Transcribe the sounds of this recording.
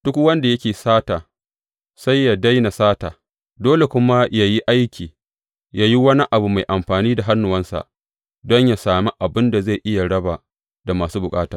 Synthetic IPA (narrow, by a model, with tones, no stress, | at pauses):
d̥ʊ˦kwɐ˦nda˨jɐ˦kʲeː˨saː˦taː˨ | sa˦jːa˨da˦jna˨saː˦taː˨ | doː˦le˨kʷʊ˦ma˦ja˨ji˦ʔa˦jkʲiː˨ | ja˦ji˦wɐ˦ni˦ʔa˨bu˨ma˨jʔa˨mɸaː˨niː˦da˨ɦa˦nːʊ˨wɐ˦nsa̰˨ʔ | dɔ˦ɲja˨saː˨mi˦ʔa˨bɪ˦nda˨za˦˨jʔɪ˦ja˨ɽɐ˦ba˨ | da˨maː˨suː˦bʊ˨kʼaː˦taː˨